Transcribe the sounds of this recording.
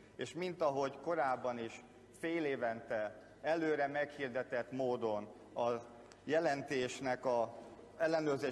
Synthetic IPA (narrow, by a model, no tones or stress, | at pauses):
eːʃmint̪ɒɦo̞ɟko̞ɾaːbːɒniʃ | feːleːvɛnt̪ɛ | ɛløːɾɛmɛkhird̪ɛt̪ɛt̪moːd̪o̞n | ɒ | jɛlɛnt̪eːʃnɛkɒɛlːɛnøːrzeː